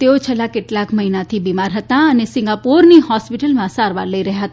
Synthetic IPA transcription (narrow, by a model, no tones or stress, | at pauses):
t̪eot͡ʃʰelːakeʈlakməɦinat̪ʰibimaɾɦət̪aənesɪ̃ŋɡapuɾnihɔspiʈəlmãsaɾʋa̰ɾləiɾəɦjaɦət̪a